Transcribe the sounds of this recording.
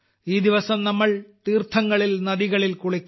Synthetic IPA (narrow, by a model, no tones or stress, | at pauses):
iːd̪iʋɐsɐmnɐmːɐɭt̪iːrt̪ʰːɐŋːɐɭilnɐðiɣɐɭilkuɭikʲː